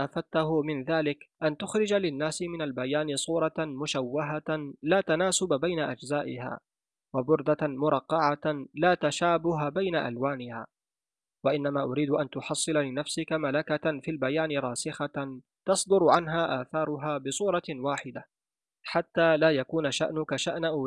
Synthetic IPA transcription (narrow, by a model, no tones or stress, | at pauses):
ʔafat̪ːahʊmɪnðaːlɪkʔant̪ʊxɾɪd͡ʒalɪnːaːsɪmɪnalbajaːnɪsˤuːɾˤɑmʊʃawːaɦalaːt̪anaːsʊbabajnaʔad͡ʒzaːʔɪha̰ː | wabʊɾd̪amʊɾˤɑqːɑʕalaːt̪aʃaːbʊɦabajnaʔa̰lwaːnɪha̰ː | waʔɪnːamaːʔʊɾiːd̪ʊʔant̪ʊħɑsˤːɨlalɪnafsɪkamalakafiːlbajaːnɪɾˤɑːsɪxa | t̪ɑsˤd̪ʊɾʕanɦaːʔaːθɑːɾˤʊɦaːbɪsˤuːɾˤɑwaːħɪd̪a | ħat̪ːaːlaːjakuːnaʃa̰ʔnʊkaʃaʔnaʔ